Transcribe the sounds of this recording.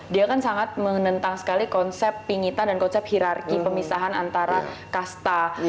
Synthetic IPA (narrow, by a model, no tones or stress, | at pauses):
diakansaŋat̪̚mənənt̪aŋsə̥kalikɔnsɛpːiŋit̪andankɔnsɛp̚hiɾarkipəmisaɦanant̪aɾakast̪a